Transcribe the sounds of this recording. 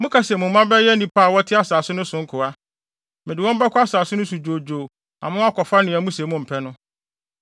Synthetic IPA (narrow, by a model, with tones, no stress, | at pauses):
mʊ̃˦kʰa˨sɛ˨mʊ̃˨m˦mã˦bɛ˦jɛ˦nĩ˨pʰaː˦˨wɔ˦tʰɪ˦a˦saː˨sʊ˦nʊ̃˦sʊ̃˨ŋ̩˦kʰʊ˨a˦ | mɪ̃˨dɪ˨wɔ̃˦m̩˦ba˦kʰʊ˦a˦saː˨sʊ˦nʊ̃˦s̬u˨d͡ʑoː˨d͡ʑoː˨ | ã̰˨mʊ̃˦a˦kʰɔ˨fa˦nɪ̃˨æ˨mũ˦sɛ˨mʊ̃˦m̩˨pʰɛ˦nʊ̃˦